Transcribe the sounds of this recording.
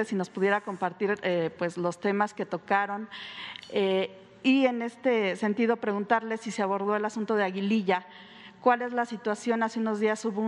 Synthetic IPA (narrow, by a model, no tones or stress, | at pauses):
esino̞spuðje̞ɾako̞mpaɾt̪iɾepwe̞zlo̞st̪e̞maske̞t̪o̞kaɾo̞n | e | ie̞ne̞st̪e̞se̞nt̪iðo̞pɾe̞ɣunt̪aɾle̞siseaβo̞ɾðo̞e̞lasunt̪o̞ð̞eaɣiliʝa | kwale̞zlasit̪wasjo̞naseuno̞zðiasuβo